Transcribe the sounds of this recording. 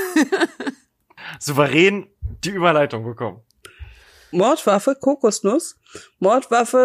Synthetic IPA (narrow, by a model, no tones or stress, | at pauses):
z̥uvəʁɛːnd̥iːʔyːbɐlaɪtʊŋbəkʰɔmən | mɔɐtv̥afəkʰoːkʊsnʊs | mɔɐtv̥afə